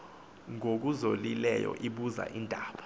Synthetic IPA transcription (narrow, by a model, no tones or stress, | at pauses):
ŋok̬uzolilɛjɔ̰ʔiɓuza̰ʔindʱaːɓḁ